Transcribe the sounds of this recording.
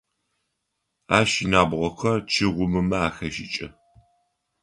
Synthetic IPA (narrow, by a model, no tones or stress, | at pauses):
aːʃɪnaːbʁʷɔxɐrt͡ʃʰɪʁʷʊmɨmɐaːxɐʃɪt͡ʃʼɐ